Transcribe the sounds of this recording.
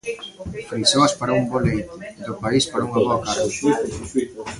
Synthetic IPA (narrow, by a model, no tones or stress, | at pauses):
fɾit͡ʃoɐspaɾaumbɔlejt̪ʊid̪ʊpaispaɾauŋaβɔɐkari